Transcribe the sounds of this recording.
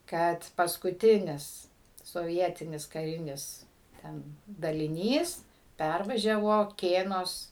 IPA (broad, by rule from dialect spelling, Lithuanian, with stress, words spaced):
ˈkɐt pɐskʊˈtʲɪnʲɪs soːˈʋʲiɛtʲɪnʲɪs kɐˈrʲɪnʲɪs ˈtʲɛn dɐlʲɪˈnʲiːs ˈpʲærʋɐʒʲɛʋoː ˈkʲeːnoːs